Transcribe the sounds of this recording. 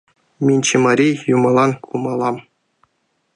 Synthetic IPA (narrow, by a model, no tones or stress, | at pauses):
mʲinʲt͡ɕɘmɑɾʲijumɤ̆lˠɑnkʰumɑlˠɑm